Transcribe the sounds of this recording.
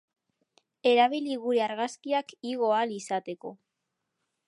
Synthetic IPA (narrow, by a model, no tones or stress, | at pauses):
e̞ɾaβiliɣuɾeaɾɣaskiakiɣo̞alisat̪e̞ko̞̰